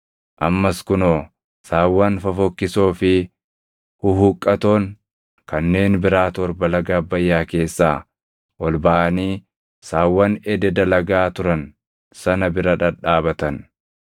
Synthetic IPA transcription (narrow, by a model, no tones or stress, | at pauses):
ʔɐmːɐskʊnoː | saːwːɐnfɐfɔkːɪsoːfɪ | hʊhʊkʼːɐt̪o̞ːŋ | kɐnːe̞ːnbɪɾaːt̪ɔɾbɐlɐɡaːbːɐjːaːke̞ːsːaː | ʔɔlbɐʔɐniː | saːwːɐnɛd̪ɛd̪ɐlɐɡaːt̪ʊɾɐn | sɐnɐbɪɾɐᶑɐᶑaːbɐt̪ɐn